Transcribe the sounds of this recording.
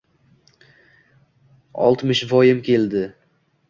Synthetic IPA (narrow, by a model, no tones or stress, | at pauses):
ɒ̰lˠt̪mɪʃvɒjɪmkʲe̞ld̪ɪ